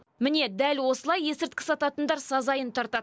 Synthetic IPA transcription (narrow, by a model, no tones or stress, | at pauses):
mɪne̞d̪ælʲwo̞səlˠɑje̞sɪɾt̪̚kʲɪ̥sɑt̪ɑt̪ənd̪ɑɾsɑzɑjənt̪ʰɑɾt̪ɑd̪